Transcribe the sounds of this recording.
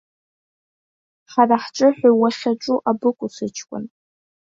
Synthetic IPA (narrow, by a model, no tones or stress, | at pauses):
ħaraħt͡ʃʷʼɨħʷawaχʲaʈ͡ʂʼuʔabɨkʷʼʊsɨt͡ʃʰkʷʼʊ̰n